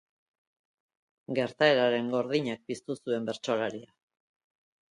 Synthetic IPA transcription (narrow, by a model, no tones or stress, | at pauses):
ɡe̞ɾt̪aeɾaɾe̞ŋɡo̞ɾðiɲak̚pist̪usue̞mbe̞ɾt͡ʃo̞laɾia